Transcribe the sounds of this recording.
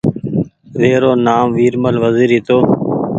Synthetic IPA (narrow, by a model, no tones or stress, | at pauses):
ʋeːɾoːnaːmʋiːɾməlʋəziːɾit̪oː